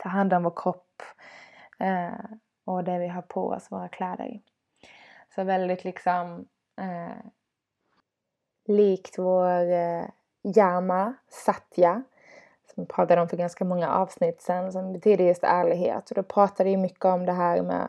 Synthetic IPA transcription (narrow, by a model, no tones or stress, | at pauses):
t̪ʰɑːɦand̪ɔmvoːɾkʰɾɔpː | ɔd̪ɛvɪɦɑːɾpʰɔ̰ːɔ̰svo̰ːɾakʰlɛːd̪ə̰ɾ | sɔvɛld̪ɪt̪lɪksɔm | liːkt̪voːɾ | jæɾmasat̪ʰːja | sɔmpʰɾɑːt̪ad̪əɔmfœɾɡanskamɔŋːaʔɑːvsnɪt̪ːsɛnsɔmbɛt̪ʰyːd̪əɾjɵst̪æːɭɪɡɦḛːt̪ɔd̪ɛpʰɾɑːt̪ad̪əjɵmʏkːəɔmd̪ɛɦæːɾmɛ̰